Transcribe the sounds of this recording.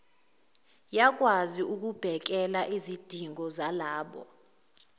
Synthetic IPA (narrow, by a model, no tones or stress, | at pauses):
jak̬ʼwaziʔuk̬ub̥ʱɛk̬ɛlaʔizid̥ʱiŋɔzalaːɓɔ̰